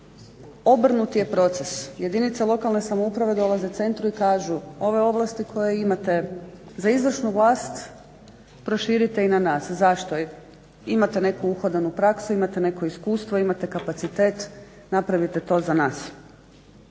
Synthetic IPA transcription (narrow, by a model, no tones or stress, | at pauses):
o̞br̩nut̪ije̞pɾo̞t̪sesje̞d̪init̪salˠo̞kalˠne̞samoupɾaʋe̞d̪o̞lˠaze̞t̪se̞nt̪ɾuikaːʒuo̞ʋe̞o̞ʋlˠast̪ikʰo̞jeimat̪e̞ | zaizʋr̩ʃnuʋlˠaːst̪ | pɾo̞ʃiːɾit̪e̞inanaːszaʃt̪o̞ | imat̪ene̞kuuxod̪anupɾaksuimat̪ene̞koiskuːst̪ʋoimat̪e̞kapat̪sit̪eːt̪ | napɾaʋit̪e̞t̪o̞ːzanaːs